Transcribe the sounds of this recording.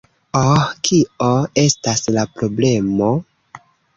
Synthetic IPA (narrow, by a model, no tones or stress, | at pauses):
okʰioe̞staslapɾo̞ble̞mo̞